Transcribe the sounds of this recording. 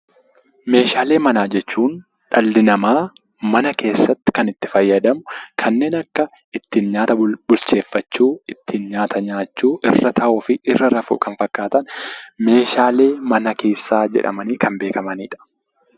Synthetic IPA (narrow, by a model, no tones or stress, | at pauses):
me̞ːʃaːle̞ːmɐnaːd͡ʒɛt͡ʃːuːn | ᶑɐlːɪnɐmaː | mɐnɐke̞ːsːɐt̪ːɪ̥kɐnɪt̪ːɪ̥fɐjːɐd̪ɐmʊkʰɐnːe̞ːnɐkːɐ | ɪt̪ːiːnɲaːt̪ɐbʊlt͡ʃe̞ːfːɐt͡ʃːuːɪt̪ʰːiːnɲaːt̪ʰɐɲaːt͡ʃːuːʔɪrːɐt̪ʰɐʔʊfɪʔɪrːɐɾɐfṵːkɐnfɐkːaːt̪ɐnme̞ːʃaːle̞ːmɐnɐke̞ːsːaːd͡ʒɛ̰ᶑɐ̰mɐniːkɐnbe̞ːkɐmɐnḭːᶑɐ̥